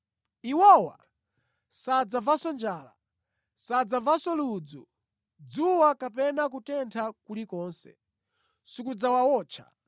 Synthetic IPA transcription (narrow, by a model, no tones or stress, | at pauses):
iwɔwa̰ | sad͡zavasɔnd͡ʒaːla̰ | sad͡zavasɔluːd͡zɔ | d͡zuwakapɛnak̬utɛntʰakulikɔːnsɛ̰ | sukud͡zawawɔːt͡ʃʰa̰